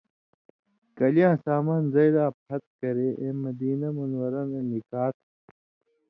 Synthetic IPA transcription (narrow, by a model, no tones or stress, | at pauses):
kɐlijãːsaːmaːnzɐjd̪aːpʰɐt̪̚kɐɾeʔẽːmɐd̪iːnɐmunwɐɾãːnenikaːt̪